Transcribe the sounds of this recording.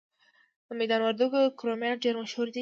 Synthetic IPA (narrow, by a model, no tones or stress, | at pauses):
əmed̪ɑnwaɾd̪uɡokɾomeɖeɾmaʃhuɾd̪i